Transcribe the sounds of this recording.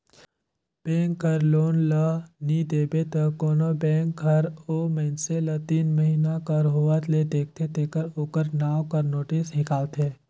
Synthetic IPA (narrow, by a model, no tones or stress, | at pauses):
b̥ɛ̃ːŋkːəɾloːnlənid̪eːbet̪əkoːnobɛ̃ːŋk̚ɡʱəɾoːməɪnselət̪iːnməɦiːnakəɾɦoʋət̪led̪eːk̚ʰt̪ʰet̪eːkəɾoːkəɾnaːwkəɾnoːʈisnɪkaːlt̪ʰeː